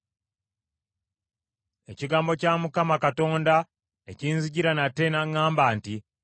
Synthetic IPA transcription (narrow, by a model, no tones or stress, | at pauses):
e̞ciɡaːmbo̞camukamakato̞ːnda | eciːnziɟiɾanatːe̞naŋaːmbaːnti